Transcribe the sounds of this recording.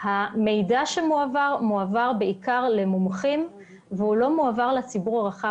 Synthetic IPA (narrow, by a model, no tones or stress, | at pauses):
hame̞jdaʃemuavaʁmuavaʁbeikaʁle̞mumχim | vehulo̞muavaʁlet͡sibuʁaʁaχa